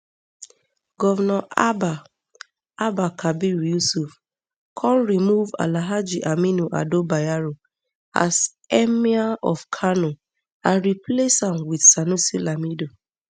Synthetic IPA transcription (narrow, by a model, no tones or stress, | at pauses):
ɡɔvɔnɔʔaba | abakʰabiɾjusuf | kʰɔlɾimuva̰laɦad͡ʒiʔaminuʔa̰dobajaɾo | a̰s | ɛmiaɔfkʰano | ãnɾipleshamwidsanusilamido